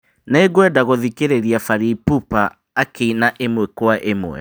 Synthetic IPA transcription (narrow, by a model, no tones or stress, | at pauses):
neɡwɛdaɣoðikeɾeɾiafaɾipupaː | keinaʔemwɛkwaʔemwɛ̰